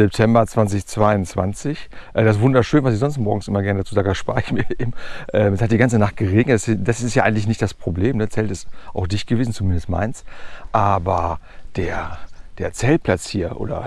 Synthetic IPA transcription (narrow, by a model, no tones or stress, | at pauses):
zɛp̚tʰɛmbɐt͡sv̥ant͡sɪçt͡sv̥aɪʊnt͡sv̥a̰nt͡sɪçʔɛːdas̬v̥ʊndɐʃøːnvasɪçz̥ɔnstmɔɐɡŋ̩sʔɪmɐɡɛɐnədat͡suːzaːɡə̥aʃpa̰ːɪçmiːɐʔḛːbm̩ʔɛːmɛshat̚d̥iːɡant͡sənaχt̚ɡ̥əʁeːɡnətasd̥asɪstjaːʔaɪɡŋ̩tlɪç̬nɪçtd̥aspʁ̥obleːmnət͡sɛltɪstʔa̰ʊxd̥ɪçtɡ̥əveːzn̩t͡sumɪndəstma̰ɪnsʔaːbɐ | d̥eːɐd̥eːɐt͡sɛltpʰlat͡shiːɐʔo̰ːdɐ̰